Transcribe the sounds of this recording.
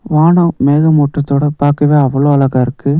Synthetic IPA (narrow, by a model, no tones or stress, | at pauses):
ʋaːɳɐmeːɣɐmɔːʈrɐt̪ːoːɽɐpaːɾkɐʋeːɐʋɐɭoːɐlɐɣaːɪɾɯkːɯ